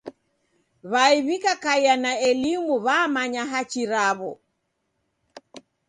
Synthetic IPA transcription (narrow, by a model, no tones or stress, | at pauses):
βaiβikakaianaɛlimuβamaɲaɦat͡ʃiɾaβɔ